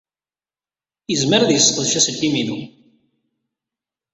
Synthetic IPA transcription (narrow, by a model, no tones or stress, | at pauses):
jəzməɾæðjəsˤːqəðʃæsəlkːimiðu